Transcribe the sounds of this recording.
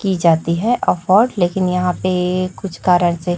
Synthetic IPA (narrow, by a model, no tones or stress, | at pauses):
kid͡ʒaːt̪iɦɛʔəfɔːɾɖleːkɪnjɐɦãpekʊt͡ʃʰkaːɾəɽ̃se